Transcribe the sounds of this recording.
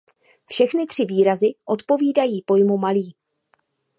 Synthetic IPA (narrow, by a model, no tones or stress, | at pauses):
fʃɛxnɪt̪r̝̥ɪviːɾazɪʔo̞t̪po̞viːdajiːpo̞jmumaliː